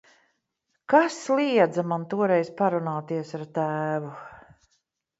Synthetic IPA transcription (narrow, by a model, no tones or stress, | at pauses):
kaslˠiɛd̪zamant̪uɔɾɛjzpaɾunaːt̪iɛsaɾt̪æːvu